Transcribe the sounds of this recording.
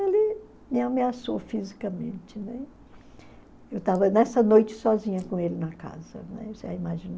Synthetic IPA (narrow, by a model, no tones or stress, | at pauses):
elɪ | mɪameasofizikɐmḛ̃nt͡ʃɪnɛ | ewt̪avɐnɛsɐnojt͡ʃɪ̥sɔzĩɲɐkõelɪnɐka̰zɐ̰nɛ̰seaimaʒĩn